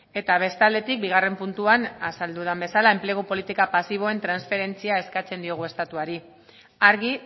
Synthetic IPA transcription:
e̞t̪aβ̞e̞st̪ald̪e̞t̪ik̚biɣ̞are̞mpunt̪uanasald̪uð̞ambe̞salaemple̞ɣupo̞lit̪ikapasiβ̞o̞e̞nt̪ɾansfe̞ɾe̞nt͡siae̞skat͡se̞nd̪io̞ɣ̞ue̞st̪at̪uaɾi | aɾɣi

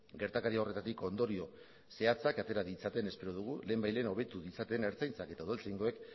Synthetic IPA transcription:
ɡe̞ɾt̪akaɾiao̞re̞t̪at̪iko̞nd̪o̞ɾio̞ | se̞at͡sakat̪e̞ɾaðit͡sat̪e̞ne̞spe̞ɾoð̞uɣ̞ule̞ːmbajle̞ːno̞βe̞t̪uðit͡sat̪e̞ne̞ɾt͡sajnt͡sake̞t̪auðelt͡sejŋɡoe̞k

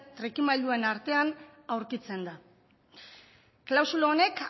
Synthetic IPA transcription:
t̪ɾekimajʎd̪ue̞naɾt̪e̞anawɾkit͡se̞nd̪a | klawsuloːne̞k

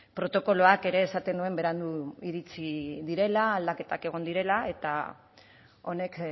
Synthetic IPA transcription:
pɾo̞t̪o̞ko̞lo̞ake̞ɾe̞ːsat̪e̞nue̞mbe̞ɾand̪uiɾit͡siðiɾe̞laːld̪ake̞t̪ake̞ɣ̞o̞nd̪iɾe̞lae̞t̪a̰ | o̞ne̞k

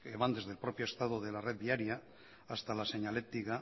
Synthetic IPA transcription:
eβand̪e̞zð̞elpɾo̞pjo̞est̪að̞oð̞e̞lare̞ð̚βiaɾiaː | st̪alase̞ɲale̞t̪iɣa

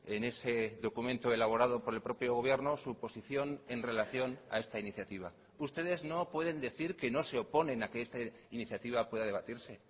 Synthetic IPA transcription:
e̞ne̞se̞ðo̞kumẽ̞nt̪oe̞laβo̞ɾað̞o̞po̞ɾe̞lpɾo̞pjo̞ɣ̞o̞β̞je̞ɾnosupo̞siθjo̞ne̞nre̞laθjo̞na̰e̞st̪ainiθjat̪iβ̞a | ust̪e̞ð̞e̞zno̞pwe̞ð̞e̞nd̪e̞θiɾke̞no̞se̞o̞po̞nẽ̞nake̞est̪a | iniθjat̪iβ̞apwe̞ðað̞e̞βat̪iɾse̞

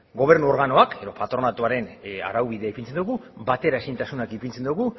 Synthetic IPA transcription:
ɡo̞β̞e̞rnuo̞ɾɣano̞akʰe̞ðo̞pat̪ɾo̞nat̪uaɾe̞na̰ɾawβiðe̞aipint͡send̪uɣubat̪e̞ɾae̞sint̪asunakipint͡send̪uɣu

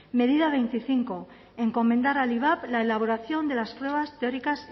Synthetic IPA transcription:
me̞ðiðaβe̞jnt̪iθiŋko̞ | e̞ŋko̞mend̪aɾaliβ̞aplaelaβ̞o̞ɾaθjo̞nd̪e̞laspɾwe̞βast̪eo̞ɾikas

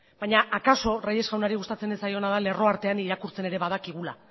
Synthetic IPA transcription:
b̥ajɲaʔakaso̞reje̞zɣawnaɾiɣust̪at͡se̞nesajo̞naðale̞ro̞aɾt̪e̞aniɾakuɾt͡se̞ne̞ɾe̞βað̞akiɣ̞ula

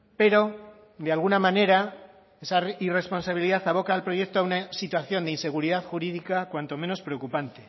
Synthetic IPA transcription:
pe̞ɾo̞ | d̪ealɣunamane̞ɾa | e̞saire̞spo̞nsaβiliðaθaβ̞o̞kaːlpɾo̞ʝe̞k̚t̪oaunasit̪waθjo̞nd̪einse̞ɣ̞uɾiðaθxuɾiðikakwant̪o̞me̞no̞spɾeo̞kupant̪e̞

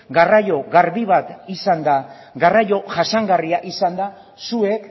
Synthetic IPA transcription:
ɡarajo̞ɣaɾβiβat̪isand̪a | ɡarajo̞ʝasaŋɡariaʔisand̪a | sue̞k

